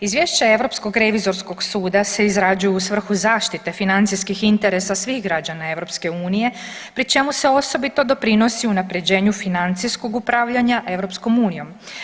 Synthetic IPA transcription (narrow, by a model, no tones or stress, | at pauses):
izʋjeʃt͡ɕae̞ʋɾo̞psko̞ɡɾe̞ʋizo̞ɾsko̞ɡsuːd̪ase̞izɾad͡ʑujuusʋr̩xuzaːʃt̪it̪e̞finant̪ijskixint̪e̞ɾesasʋixɡɾad͡ʑanae̞ʋɾo̞pske̞uːnije̞pɾit͡ʃe̞muse̞o̞so̞bit̪o̞d̪o̞pɾino̞siunapɾe̞d͡ʑe̞ːɲufinant̪sijsko̞ɡupɾaːʋʎaɲaʔe̞ʋɾo̞psko̞muːnijo̞m